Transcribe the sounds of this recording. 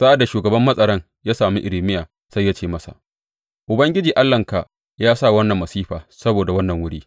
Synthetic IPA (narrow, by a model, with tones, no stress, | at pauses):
sa˦ʔa˨dːa˨ʃuː˨ɡɐ˨bɐ˦mːɐ˦sʼɐ˨ɾɐ˦ŋ | jaː˦saː˨mi˦ʔɪ˨lɪ˨mɪ˦jaː˨ | sa˦jːa˦t͡ʃeː˦˨mɐ˦sa̰˨ʔ | ʔʊ˨bɐ˦ŋɡʲɪ˦d͡ʒiː˨ʔa˦lːɐ˨ŋka˨ | jaː˦sa˦˨wɐ˦nːɐ˨mːɐ˨siː˦ɸaː˨sɐ˦boː˨da˨wɐ˦nːɐ˨ŋwʊ˦ɽiː˦